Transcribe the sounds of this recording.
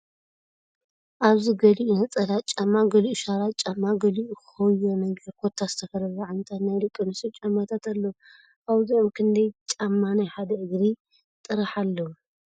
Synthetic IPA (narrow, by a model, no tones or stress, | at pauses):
ʔaβziɡɐliʔunɐt͡sʼɐlat̪t͡ʃʼamːaɡɐliʔuʃaɾat̪t͡ʃʼamːaɡɐliʔukxɐjonɐɡɐɾkʰot̪ʰːazɨt̪ʰɐkɐɾɐβaʕant̪ʰat̪najlɨkʼɨnɨsɨt͡ʃʼamːat̪ʰat̪ʰalːo | ʔaβziomkʰɨnd̪ɐjt͡ʃʼamːanajħad̪ɐʔɨɡɾi | t̪ʼɨɾaħalːɐu